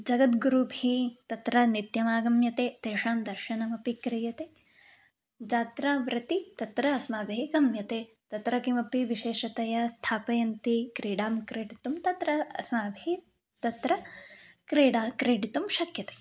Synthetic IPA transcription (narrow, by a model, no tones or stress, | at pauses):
d͡ʒɐɡɐt̪ɡuɾubʱit̪ɐt̪ɾɐnit̪jɐmaːɡɐmjɐt̪eːt̪eːʂaːmd̪ɐɾʃɐnɐmɐpikɾijɐt̪eː | d͡ʒaːt̪ɾɐʋɾɐt̪it̪ɐt̪ɾɐːsmaːbʱeːɡɐmjɐt̪eː | t̪ɐt̪ɾɐkimɐpiʋiʃeːʃɐt̪ɐjɐst̪ʰaːpɐjɐnt̪ikɾiːɽaːmkɾeːʈit̪umt̪ɐt̪ɾɐɐsmaːbʱe | t̪ɐt̪ɾɐkɾeːɽaːkɾeːɖit̪umʃɐkʰjɐt̪e̥ː